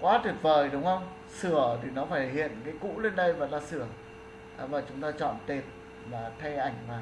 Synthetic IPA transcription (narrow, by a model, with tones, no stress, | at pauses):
kwaː˨˦t̪ʰi˨˩p̚vəː˨˩jɗʊ˨˦wŋ͡mə˧wŋ͡m | sɨ˧˩ət̪ʰi˨˩nɔ˨˦faː˧˩jhḭ˧˨ənkaː˨˦jkṵ˧˥le˧nɗə˧jvəː˧˨˩nlaː˨˩sɨ˧˩ə | ʔːvaː˨˩t͡ɕʊ˨˦ŋ͡mt̪aː˧t͡ɕɔ̰˧˨nt̪e˨˩p̚ | maː˨˩t̪ʰa˧jʔa˧˩jŋ̟maː˨˩